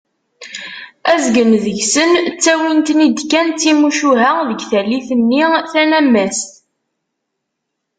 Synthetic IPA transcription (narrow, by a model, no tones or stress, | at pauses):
æzɡənðjsənt͡sːæwint̪nid̪kːænt̪ːimuʃuɦæðəɡθælːiθənːiθænæmːæst̪